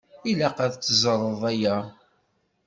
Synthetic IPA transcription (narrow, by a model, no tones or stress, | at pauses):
ilaqæðt͡sːəzˤəɾˤəðˤæjæ